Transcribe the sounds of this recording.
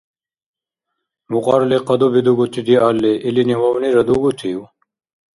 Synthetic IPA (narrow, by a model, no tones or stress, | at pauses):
muqɑːɾleqɐd̪obid̪uɡut̪ʰid̪iaːlːeʔiliniwɐwniɾɐd̪uɡut̪ʰiju